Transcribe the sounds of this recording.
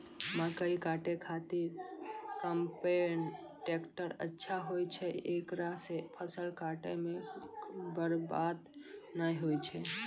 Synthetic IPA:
məkəikaʈekʰat̪iɾkəmpen | ʈekʈəɾə̰tːʃʰaɦojt͡ʃʰɛekɾasepʰəsəlkaʈeme | bəɾbad̪najɦojt͡ʃʰɛ

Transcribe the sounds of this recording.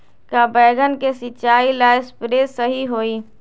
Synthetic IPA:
kabɛːɡənkesɪt͡ʃaːilaːɪspɾeːsəɦiɦoːiː

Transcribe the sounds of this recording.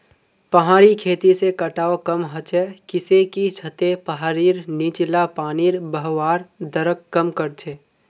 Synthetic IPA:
pəɦaːɾikʰeːt̪isekəʈaːokəmɦɐt͡ʃɛkɪsekit͡ʃʰət̪epəɦaːɾiːɾniːt͡ʃlapaːniːɾbəɦwaːɾd̪əɾəkkːəmkəɾt͡ʃʰeː

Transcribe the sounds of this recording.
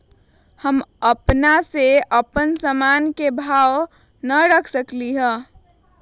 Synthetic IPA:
həməpnaseəpənsəmankebʱaw | nəɾəkʰsəkliɦə̃

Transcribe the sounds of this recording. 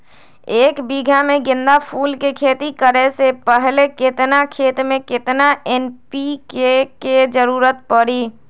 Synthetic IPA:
eːkbiɡʱameɡɪ̃nd̪apʰulkekʰet̪ikəɾɛsepəɦleket̪nakʰet̪mẽket̪naenpikeked͡ʒəɾuɾət̪̚pəɽi

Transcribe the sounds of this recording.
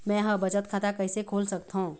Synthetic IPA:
mɛ̃ɦə̃bət͡ʃət̪kʰaːt̪akəɦɪsekʰoːlsək̚t̪ɦõ

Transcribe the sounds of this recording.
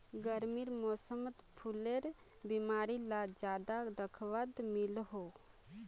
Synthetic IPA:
ɡəɾmiɾmɔːsəmət̪pʰuleɾ | bimaːɾilad͡ʒjaːd̪ad̪əkʰʋad̪mɪlɦo

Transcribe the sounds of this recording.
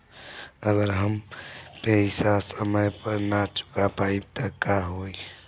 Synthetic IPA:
əɡəɾɦəmpɛsasəməjpəɾnat͡ʃʊ̥kapaib̚t̪əkaɦoi

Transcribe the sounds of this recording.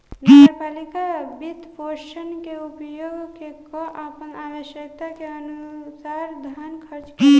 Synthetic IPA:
nəɡəɾpalikabit̪pʰoʃənkeupjoɡkekɔʔapənabəʃjək̚t̪akeənusaɾd̪ʱənkʰəɾt͡ʃke

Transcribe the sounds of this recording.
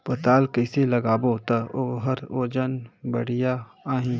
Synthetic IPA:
pɐt̪aːlkɐɪselɐɡaːbot̪ɐʔoɦɐɾoːd͡ʒənbɐɽ̤ijaaːɦĩː

